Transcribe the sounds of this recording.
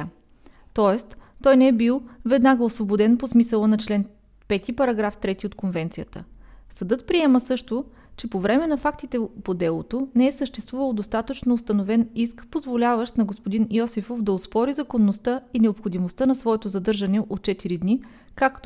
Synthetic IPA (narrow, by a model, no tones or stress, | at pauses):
t̪ɔɛst̪t̪ːɔjnɛɛbilˠvɛd̪naɡəosvobod̪ɛnposmisəlˠənɐt͡ʃlɛn | pɛt̪ipɐɾɐɡɾaft̪ɾɛt̪iot̪konvɛnt̪sijət̪ə̰sɐd̪ɤt̪̚pɾiɛməsɤʃt̪o | t͡ʃɛpovɾɛmɛnɐfakt̪it̪ɛpod̪ɛlˠo̰t̪onɛɛsəʃt̪ɛst̪vuvəlˠd̪ost̪at̪ət͡ʃnoːst̪ɐnovɛniskpozvolʲavəʃt̪nɐɡospod̪injɔsifofd̪ɐospɔɾizɐkonːost̪əinɛopxod̪imost̪anɐsvɔɛt̪ozɐd̪ɤɾʒɐnɛʔot̪̚t͡ʃɛt̪iɾid̪ni | kakt̪